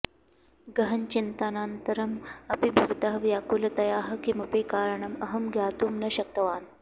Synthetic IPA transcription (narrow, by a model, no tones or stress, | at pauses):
ɡɐɦɐnt͡ʃint̪anaːnt̪ɐɾɐmɐpibʱiʋt̪ɐɦɐʋjaːkuːlɐt̪ɐjaːɦɐkimɐpiːkaːɾɐɳɐmɐɦɐmɡʱjaːt̪uːmnɐɕɐk̚t̪ɐʋaːn